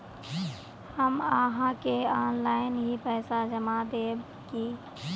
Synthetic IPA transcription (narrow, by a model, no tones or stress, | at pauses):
həmaɦãkeaːnlaːɪnɦipɛːsad͡ʒəmad̪eːb | ki